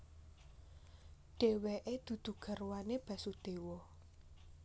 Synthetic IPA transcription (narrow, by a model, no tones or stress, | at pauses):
ɖ̥e̤weʔed̪̥ṳd̪̥ṳɡ̥ə̤rwaneb̥ä̤sud̪̥e̤wɔ